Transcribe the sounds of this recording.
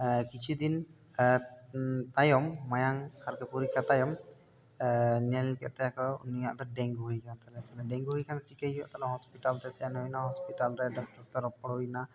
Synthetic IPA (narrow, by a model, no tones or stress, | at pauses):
əkit͡ʃid̪in | ə | t̪ajɔmːajaŋkarkəpuɾikat̪ajɔm | əniɛlkɛʔt̪ɛakɔniaʔt̪ɔdɛŋɡuɦikant̪alɛt̪alɛdɛŋɡuikant͡ʃikəijɔ̰ʔt̪alɔɦɔspit̪alt̪ɛsianɔinaɦɔspit̪alɾɛdɔk̚t̪ɔst̪aɾɔpɔɽɔina